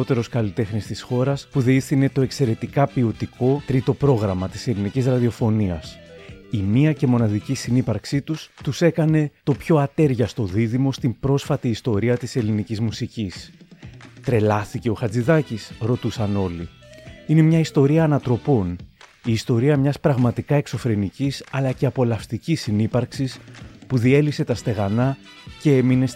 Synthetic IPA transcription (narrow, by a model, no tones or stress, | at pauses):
ot̪e̞ɾo̞skɐlit̪e̞xnist̪isxo̞ɾɐspuðiiθine̞t̪o̞e̞kse̞ɾe̞t̪ikɐpio̞t̪iko̞t̪ɾit̪o̞pɾo̞ɣɾɐmɐt̪i̥se̞linicizɾɐðio̞fo̞niɐsimiɐce̞mo̞nɐðicisinipɐɾksit̪ust̪use̞kɐne̞t̪o̞pço̞ɐt̪e̞ɾʝɐst̪o̞ðiðimo̞st̪imbɾo̞sfɐt̪iːst̪o̞ɾiɐt̪ise̞linicizmusicis | t̪ɾe̞lɐθice̞o̞xɐd͡ziðɐcisɾo̞t̪usɐno̞liine̞mɲɐist̪o̞ɾiɐːnɐt̪ɾo̞po̞n | iːst̪o̞ɾiɐmɲɐspɾɐɣmɐt̪ikɐe̞kso̞fɾe̞nicisɐlɐce̞ɐpo̞lɐft̪icisinipɐɾksispuðie̞lipse̞t̪ɐst̪e̞ɣɐnɐ | ce̞e̞mine̞s